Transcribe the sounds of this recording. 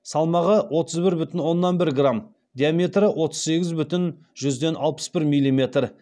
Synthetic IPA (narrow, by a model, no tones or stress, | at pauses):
sɑlˠmɑʁəwo̞t̪əzbɪɾbʏt̪ɪnwo̞nːɑnbɪɾɡram | d̪ʲijamʲe̞t̪rəwʔo̞t̪əz̥se̞ɡʲɪzbʏt̪ɪn | ʒʏzd̪e̞nʔɑlˠpə̥sbɪɾmilʲːimʲe̞t̪r